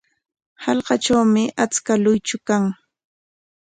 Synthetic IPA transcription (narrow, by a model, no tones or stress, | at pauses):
hɑlɢɑʈ͡ʂawmɪʔat͡skalʊjt͡ʃʊkaŋ